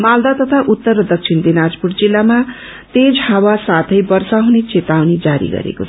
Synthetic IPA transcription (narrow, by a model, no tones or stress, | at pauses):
mald̪at̪ʌt̪ʰaʔut̪ːʌrːʌd̪ʌk̚t͡sʰind̪enad͡zpurd͡zilːama | t̪ed͡zʱhawasat̪ʰʌjbʌrsaɦunet͡set̪awnid͡zaɾḭɡʌ̰ɾḛko̰t͡sʰʌ